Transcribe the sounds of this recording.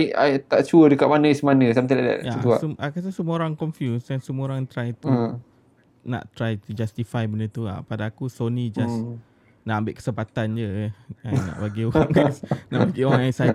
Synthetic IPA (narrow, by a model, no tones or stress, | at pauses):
ajajt̪aʔt͡ʃuədəkaʔmanə̃ismanə̃samt̪̬alada̰ʔjat̪uasəmakat̪asəmũoɾaŋkɔnfjusdansəmũoɾaŋt̪ɾajt̪u | na̰ʔt̪ɾajt̪ud͡ʒast̪ifajbənət̪ua̰ʔpadaːkusonid͡ʒas | naʔambɪ̰ʔkə̥səmpat̪and͡ʒəanã̰ʔbaɡiowaŋɡajsna̰ʔbaɡioaajsaj